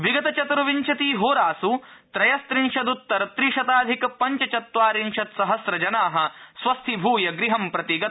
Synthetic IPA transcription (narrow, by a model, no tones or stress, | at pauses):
ʋiɡɐt̪ɐt͡ʃɐt̪ɾɐʋiɲt͡ʃʰɐt̪iːɦoːɾaːsut̪ɾɐjɐst̪ɾinʃɐd̪ut̪ːɐɾɐt̪ɾiʃɐt̪aːd̪ʱikɐpɐɲt͡ʃɐt͡ʃɐt̪ʋaːɾinʃɐt̪sɐɦɐsɾɐd͡ʒɐnaːɦɐ̆sʋɐst̪ʰibʱuːjɐɡɾiɦɐmpɾɐt̪iɡɐt̪